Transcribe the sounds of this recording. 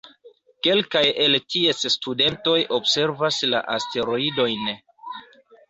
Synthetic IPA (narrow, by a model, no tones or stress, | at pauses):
ke̞lkaje̞ltie̞sstude̞nto̞jo̞bse̞ɾvasla̰ʔaste̞ɾo̞ido̞jn